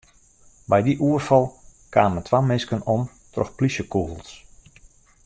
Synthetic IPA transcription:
bɛjdiʔuərfɔlˠkaːnmətwamɪnskənɔm | trɔ̰xpliʃjəkuhəlˠs

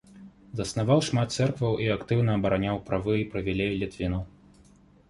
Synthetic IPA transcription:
zɐsnavawʂmat̪t̪sɛrkvɐwʔiakt̪ɨwnɐːbɐɾanʲawpɾavɨipɾɐvʲɛlʲejlʲit̪vʲinɐw

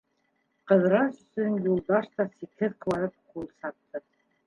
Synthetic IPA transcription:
qɤ̆ðɾɑsɵ̆sɵnjulˠd̪ɑʃt̪ɑsikhɘðkvˠɑɾɤp̚qulˠsɑt̪ːɤ

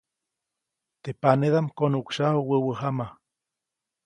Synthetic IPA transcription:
t̪epaneðamkonukʃahuwəwəɦama

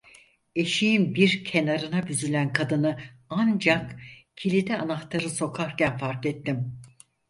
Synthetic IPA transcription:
e̞ʃijinbiɾcʰe̞naɾɯnabyzylʲænkʰad̪ɯnɯand͡ʒakcʰilʲid̪ɛanaxt̪ʰaɾɯso̞kʰaɾcænfaɾkɛt̪ːim

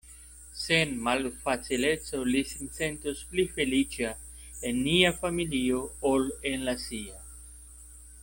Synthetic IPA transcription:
senmalfat͡sile̞t͡so̞lisinse̞ntusplife̞lit͡ʃa | e̞nːiafamilio̞olenlasia

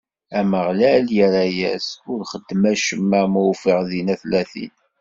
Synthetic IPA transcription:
æməʁlæljəɾæjæ̰sʊɾχəd̪ːmæʃəmːæmuwfiʁðinæθlæθḭn

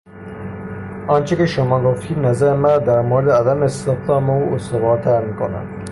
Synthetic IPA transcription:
ɑːnt͡ʃʰekʲeʃomɑːɡoft̪ʰiːd̪næzæɾemæɾːd̪æɾmoɾed̪eæd̪æmest̪eft̪ɑːmouost̪ovɑːɾt̪ʰæɾmiːkʰonæ̰n

